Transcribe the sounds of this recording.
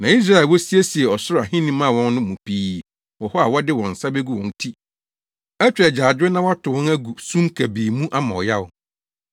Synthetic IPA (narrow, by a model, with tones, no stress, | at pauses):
nã˨i˦s̬ɾa˦ɪ˨wɔ˦si˦e˦si˨ɛ˨ɔ˨sʊ˦ɾa˨ɦɪ̃˦nĩ˦mã˦˨wɔ̃˦n˦nʊ̃˦mũ˨pʰiː˦ | wɔ˨hɔ˦a˨wɔ˦dɪ˦wɔ̃˨n̩˨sa˦be˦ɡu˦wɔ̃˨n˦tʰi˦ | æ˦t͡ɕᶣɛ˨d͡ʑaː˨d͡ʑᶣɪ˦nã˦wa˦tʰʊ˨wɔ̃˦næ˦ɡu˨sũ˦mkʰæ˨biː˨mũ˦ʔa˦mã̰˨ɔ˨ja˦ʊ˨